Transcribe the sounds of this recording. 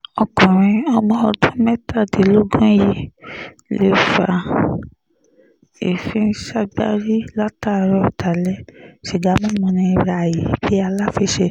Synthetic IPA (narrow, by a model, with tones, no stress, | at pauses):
ɔ˧kɔ̃˨ɾ̃ĩ˧ɔ˧mɔ̃˧ɔ˧dũ˦mɛ˦ta˦˨de˨lo˦ɡɔ̃˦ji˦ | le˦fa˨ | e˨fĩ˦n̩˦ʃa˦ɡ͡ba̰˦ɾi˦la˦ta˦˨ɾɔ˧˨ta˨lɛ˦ʃe˨ɡa˨˦mɔ̃˦mũ˧nĩ˧ɾa˨ji˨bi˦a˧la˦fi˧ʃe˧